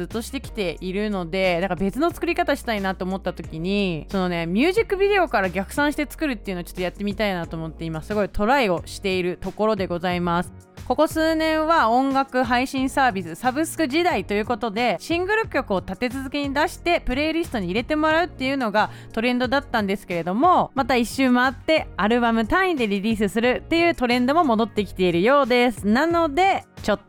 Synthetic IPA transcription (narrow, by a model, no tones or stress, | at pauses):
ɨt̪ːo̞ɕi̥t̪e̞kʲi̥t̪e̞ʔiɾɯ̟no̞d̪e̞naŋkabe̞t͡sɨno̞t͡sɨ̥kɯ̟ɾʲikat̪aɕi̥t̪ainat̪ːeoːmo̞t̪ːat̪o̞kʲiɲ̟iso̞no̞ne̞mʲɨːʑikːɯ̟bʲid̪e̞o̞kaɾaɡʲakɯ̟̥sãɰ̃ɕ̬i̥t̪e̞t͡sɨ̥kɯ̟ɾɯ̟t̪ːe̞iɯ̟not͡ɕot̪ːo̞jat̪ːe̞mʲit̪ainat̪o̞ːmot̪ːe̞imasɨɡo̞it̪ʰo̞ɾaio̞ɕi̥t̪e̞iɾɯ̟t̪o̞ko̞ɾo̞d̪e̞ɡo̞zaimasɨ̥ | ko̞ko̞sɨːnẽ̞ɰ̃βaõ̞ŋɡakɯ̟ɦaiɕĩɰ̃saːbʲisɨsabɯ̟sɨ̥kɯ̟ʑid̪ait̪o̞jɯ̟ːko̞t̪o̞d̪e̞ɕĩŋɡɯ̟ɾɯ̟kʲo̞kɯ̟o̞t̪at̪e̞t͡sɨzɨkʲeɲ̟id̪aɕi̥t̪e̞pɯ̟ɾe̞ɾʲisɨ̥t̪o̞ɲ̟iːɾe̞t̪e̞mo̞ɾaɯ̟t̪ːe̞jɯ̟no̞ɡa | t̪o̞ɾẽ̞nd̪o̞d̪at̪ːãnd̪e̞sɨ̥ke̞ɾe̞d̪o̞mo̞mat̪aiɕːɨːmaːt̪ːe̞aɾɯ̟bamɯ̟t̪ãĩd̪e̞ɾʲiɾʲiːsɨsɨɾɯ̟t̪ːe̞jɯ̟ːt̪o̞ɾẽ̞nd̪omo̞mo̞d̪o̞t̪ːekʲi̥t̪e̞iɾɯ̟jo̞ːd̪e̞sɨnano̞d̪e̞t͡ɕo̞t̪ː